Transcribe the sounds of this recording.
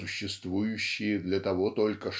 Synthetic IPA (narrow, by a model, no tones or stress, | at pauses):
ʊɕːɪst̪vujʉɕːɪjəd̪lʲɐt̪ɐvot̪o̞lʲkəʂ